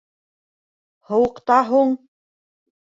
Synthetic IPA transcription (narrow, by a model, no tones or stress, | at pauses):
hɤ̆wɤ̆qt̪ɑɦuɴ